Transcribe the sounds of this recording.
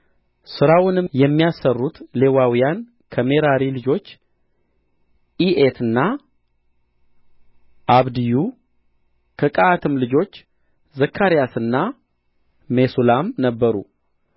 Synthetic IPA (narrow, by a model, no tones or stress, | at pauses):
sɨɾawʊnɨjɛmːijasərːut̪le̞wawijan | kʰəme̞ɾaɾilɨd͡ʒo̞t͡ʃː | iʔet̪ʰɨnːa | ʔaβd̪iju | kʰəkʼaːt̪ʰɨmlɨd͡ʒo̞t͡ʃː | zəkʰːaɾijasɨnːa | me̞sulamnəbːəɾṵ